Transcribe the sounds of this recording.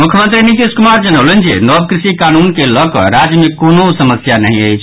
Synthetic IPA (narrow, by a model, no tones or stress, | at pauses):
mukʰjəmənt̪ɾinit̪iskumaɾd͡ʒənəʊlənd͡ʒḛnɔb̚kɾisikanunkeləkɔ̰ɾad͡ʒjəmekonosəməsjanəɦĩə̰jt͡ʃʰ